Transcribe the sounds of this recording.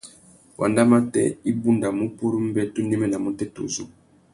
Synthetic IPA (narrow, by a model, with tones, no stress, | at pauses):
wʔa̰˨nda˦ma˦tɛ̰˦i˦bu˦nda˨mu˦pu˦ɾu˦m˦bɛ˦to˦nɛ˦mɛ˦na˨mo˦tɛ˦to̰˨zu˦